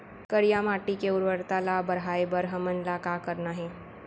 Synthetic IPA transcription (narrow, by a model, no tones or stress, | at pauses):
kəɽijamaʈikeuɾʋəɾt̪alabəɾɦaebəɾɦəmənlakakəɾnaɦe